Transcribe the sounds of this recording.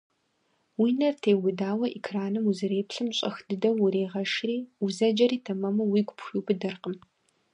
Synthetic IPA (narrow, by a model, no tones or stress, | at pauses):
wiːnɐrtʰeːwʊdaːwɐʔikʰraːnɨmuzɨreːpɬɨmɕʼɐ̰xd̥ɨdɐwʊɾeːʁɐʃriːuzɐd͡ʒɐɾiːtʰɐmɐmɐwiːɡʷʊpʰxiːbɨdɐrqəm